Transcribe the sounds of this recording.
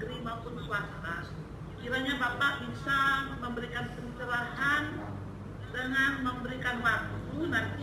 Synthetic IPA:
ɾimaupʊnkuat̪a | kiɾaɲabapaʔbisaməmbəɾikanpənt͡ʃəlahan | dəŋanməmbəɾikanwak̚t̪unan

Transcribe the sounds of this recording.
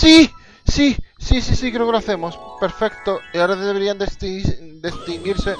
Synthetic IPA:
si | sisisisikɾeokeloaθemospeɾfekt̪oiaoɾaðeβeɾiand̪est̪d̪est̪iŋɡiɾse

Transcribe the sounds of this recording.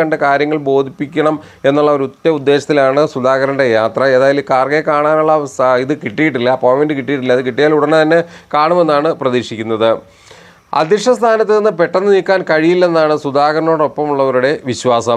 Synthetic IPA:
ɐɳɖekaːɾjɐŋːɐɭbo̞ːd̪ʱipːikʲːɐɳɐm | e̞nːuɭːɐoɾut̪ːɐud̪ːe̞ːɕɐt̪ːilaːɳɨsud̪aːɣɐɾɐnɖe̞jaːt̪rɐe̞ːðaːjilukaːrɡɐkaːɳaːnuɭːɐiðɨkiʈːijiʈːilːɐpoːjmenɖɨkiʈːijiʈːilːɐiðɨkiʈːijaːluɽɐnːɨt̪ɐnːe̞kaːɳume̞nːaːɳɨprɐðiːʂikʲːunːɐðɨ | ɐ̰d̪iʂɐst̪ʰaːnɐt̪ːɨenːɨpe̞ʈːɐnːɨniːkːaːnkɐɻijilːe̞nːaːɳɨsud̪aːɣɐɾɐno̞ːɽo̞pːɐmuɭːɐʋɐɾuɽe̞ʋiɕʋaːsɐm

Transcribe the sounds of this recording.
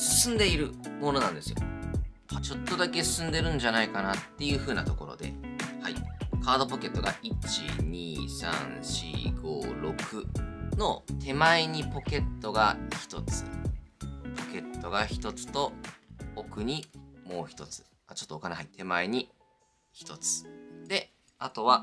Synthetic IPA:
sɨ̥sɨ̃nd̪e̞iɾɯ̟mo̞no̞nãnd̪e̞sɨjo̰kat͡ɕo̞t̪ːo̞d̪ake̞sɨ̥sɨ̃nd̪e̞ɾɯ̟̃ɲ̟d͡ʑanaikanat̪ːe̞jɯ̟ːɸɯ̟ːnat̪o̞ko̞ɾo̞̰d̪e̞̰haikaːd̪o̞po̞ke̞t̪ːo̞ɡa̰ʔit͡ɕḭɲ̟iːsã̰ñɕḭɡo̞̰ːɾo̞kʰɯ̟no̞̰t̪ʰe̞maeɲ̟ipo̞ke̞t̪ːo̞ɡaçi̥t̪o̞t͡sɨ̥ | po̞ke̞t̪ːo̞ɡaçi̥t̪o̞t͡sɨ̥t̪o̞ː | kɯ̟ɲ̟imo̞ːçʲi̥t̪o̞t͡sɨ̥ | at͡ɕo̞t̪ːoːkaneɦait̪ʰe̞maeɲ̟i | çi̥t̪o̞t͡sɨ̥d̪e̞ | at̪o̞βa

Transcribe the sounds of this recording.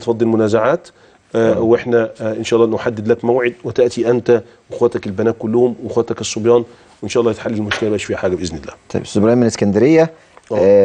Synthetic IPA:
t̪fɑd̪ˤːelmʊnæːzaʕaːt̪ | weħnæʔɪnʃæʔlːɑʔnoħad̪ːed̪lækmæwʕed̪̚wet̪æʔt̪iʔænt̪æ | wexwæːt̪ækelbænæːt̪̚kʊlːʊhʊmwexwæːt̪ækesˤːobjɑːn | wʔenʃæːʔlːjet̪ħalːelelmoʃkelæbæːʃfiːhæħaːɡæbʔɪznɪlːæːt̪ˤɑ̰j̰bsobɾɑjːmːeneskænd̪æɾejːæ

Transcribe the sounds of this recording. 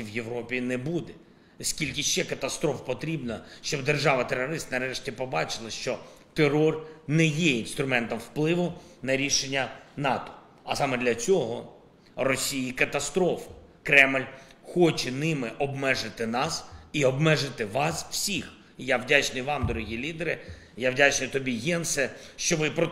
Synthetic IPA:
iwjeʋɾɔpʲinɛbud̪ɛ | skʲilʲk̬ʲɪʃt͡ʃɛkɐt̪ɐst̪ɾɔfpɔt̪ɾʲibnɐʃt͡ʃɔbd̪erʒɑʋɐt̪erːɔɾɪst̪nɐɾɛʃtʲipɔbɑt͡ʃɪlˠɐʃt͡ʃɔt̪erɔrnɛjɛinst̪ɾʊmɛnt̪ɔmwplˠɪʋʊnɐɾʲiʃenʲːɐnɑt̪ɔ̥ | ɐsɑmɛd̪lʲɐt͡sʲɔɦɔ | rɔsʲijikɐt̪ɐst̪ɾɔfɪ̥ | kɾɛmlʲxɔt͡ʃɛnɪmɪʔɔbmɛʒɪt̪ɪnɑsiɔbmɛʒɪt̪ɪʋɑsw̥sʲix | jawdʲat͡ʃnʊjʋɑmd̪ɔɾɔɦʲilʲid̪eɾɪ | jawdʲat͡ʃnʊjt̪ɔbʲiɦɛnsɛʃt͡ʃɔʋɪpɾɔ

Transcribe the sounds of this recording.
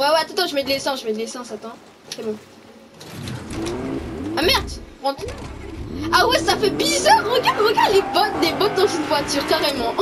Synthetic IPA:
wɛwɛt̪ut̪ɑ̃ʒəmɛd̪əlesɑ̃ʒəmɛd̪əlesɑ̃sat̪ɑ̃ | sɛbɔ̃ | amɛʁd̪ʁɑ̃t̪ | awɛsafɛbizœʁːəɡaʁd̪ʁəɡaʁd̪lebɔt̪d̪ebɔt̪̚d̪ɑ̃zynvwat̪yʁkaʁemɑ̃

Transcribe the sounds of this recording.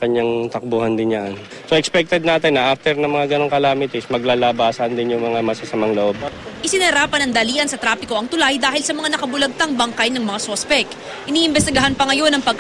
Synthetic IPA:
kɐɲːaŋt̪ɐk̚buhɐnd̪ɪnjaʔan | soʔɛkspɛk̚t̪ɛd̪̚naːt̪ɪnːɐʔaft̪ɛɾnɐŋmɐŋaɡɐnoŋkɐlaːmɪt̪ɪsmɐɡ̚laːlaːbaːsɐnd̪ɪnjʊŋmɐŋamɐsɪsɐmaŋloʔo̞b̚ʔɪsɪnɐhɐɾaːpɐnɐŋd̪ɐliːʔɐnsɐt̪ɾaːpɪko̞ʔɐŋt̪ʊlajd̪aːhɪlsɐmɐŋanɐkɐbʊlɐɡ̚t̪ɐŋbɐŋkajnɐŋmɐŋaso̞spɛk | ɪniːʔɪmbɛst̪ɪɡɐɦanpɐŋɐjo̞nɐŋpɐɡ̚

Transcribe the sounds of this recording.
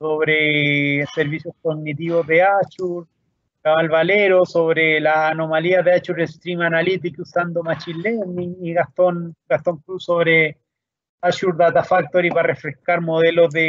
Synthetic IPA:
soβɾeseɾβisjoskoɡnit̪̬iβozðeat͡ʃuɾ | kaβalβaleɾosoβɾelaːnomaliaðeat͡ʃuɾest̪ɾimanalit̪̬ikusand̪omat͡ʃileniŋiɣast̪onɡast̪oŋkɾusoβɾe | at͡ʃuɾðat̪afak̚t̪oɾiparefɾeskaɾmoðeloðe

